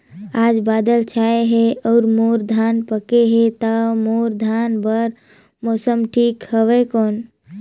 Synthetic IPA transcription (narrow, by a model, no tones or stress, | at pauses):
aːd͡ʒbaːd̪əlt͡ʃʰaeɦeɔːɾmoɾd̪ʱanpəkeɦet̪əmoɾd̪ʱanbəɾ | moːsəmʈʰiːkhəʋekoːn